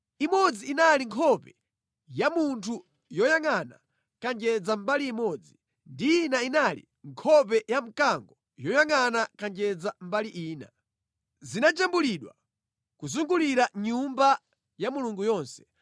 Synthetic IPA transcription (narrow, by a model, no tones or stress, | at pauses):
imɔd͡ziːnaliŋkʰɔpɛ | jamuntʰu | jɔjaŋana̰ | kand͡ʒɛd͡zambaliːmɔd͡zi | ndiinainalḭ | ŋkʰɔp̬ɛjam̩kaŋɡɔ | jɔjaŋanakand͡ʒɛd͡zam̩baliʔiːna̰ | zinat͡ʃambuliɗwa | kuzuŋɡuliɾaɲumba | jamuluŋɡujɔːnsɛ̥